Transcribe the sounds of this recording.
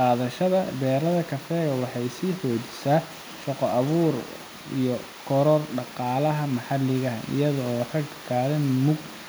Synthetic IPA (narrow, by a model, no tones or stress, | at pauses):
qɑːðɐʃɐðɐbɛːɾɐðɐkʰɐfɛːɣɐwɑħɑjsiːħɔːt͡ʃɪ̥saː | ʃɔqɔɐβuːr | ḭjɔ | kʰɔɾɔrɖɑqɑːlɐɦɐmɐħɑlːɪɣɐɦɐʔɪ̰jɐðɔɔːrɐɡkʰkʰɑːðɐnmʊɡ̚